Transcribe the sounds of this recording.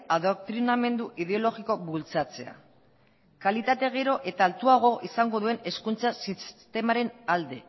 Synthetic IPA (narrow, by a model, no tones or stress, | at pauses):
aðokt̪ɾiname̞nd̪uʔiðe̞o̞lo̞ɣiko̞βult͡sat͡se̞a̰ | kalit̪at̪e̞ɣ̞eɾo̞ʔe̞t̪aːlt̪uaɣ̞o̞ʔisaŋɡo̞ðue̞ne̞skunt͡sasist̪e̞maɾe̞nald̪e̞